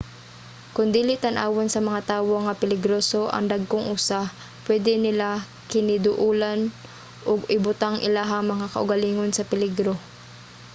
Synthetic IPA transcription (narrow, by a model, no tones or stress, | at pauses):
kʊnd̪iːlɪʔt̪ɐnʔa̰ːwonsɐmɐŋat̪aːwoŋːɐpɪlɪɡɾoːso̞ʔɐ̰ŋd̪aɡ̚koŋʔʊsa | pwɛd̪ɛnɪla | kɪnɪd̪ʊʔuːlan | ʔʊɡɪbʊt̪aŋʔɪ̰laɦɐŋmɐŋakɐ̰ʔʊɡɐliːŋonsɐpɪlɪɡɾo